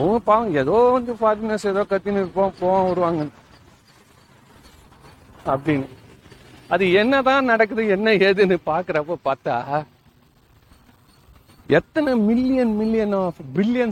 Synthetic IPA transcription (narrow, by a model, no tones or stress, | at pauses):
ʊɐpaːʋɐŋɡɐɛðoːʋɐnd̪ɯfaːɾɪnɐsɛðoːkɐt̪ːɪnɯɾɯpãːpoːʋãːʊɽɯʋaːŋɡɐn | ɐpːɐɽɪnːɯ | ɐðɯɛnːɐt̪ãːnɐɽɐk̬ːɯðɯɛnːɐeːðɯnɯpaːɾkɯɾɐpːoːpaːɾt̪a̰ː | ɛt̪ːɐnɯmɪlːɪjɐnmɪlːɪjɐnabɪlːɪjɐn